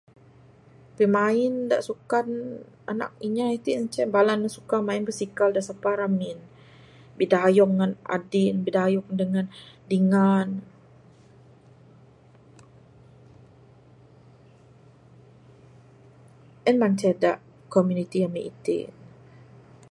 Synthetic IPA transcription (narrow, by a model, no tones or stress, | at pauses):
pimaɪnda̰ʔsukan | ana̰k̚iɲait̪iənt͡ʃɛbalanːəsu̥kamaɪnbəsikaldaʔsapaɾamin | bidajɔk̚ŋana̰dinbidajɔk̚dəŋandiŋan | ʔənmant͡ʃɛdaʔ | komjunit̪ijamiʔit̪ḭ